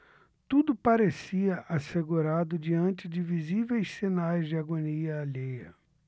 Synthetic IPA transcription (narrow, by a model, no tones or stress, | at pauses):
t̪ud̪ʊpaɾesiɐʔaseɡuɾad̪ʊd͡ʒiɐ̃nt͡ʃɪd͡ʒɪvizivejssinajzd͡ʒɪaɡoniɐːʎejɐ̰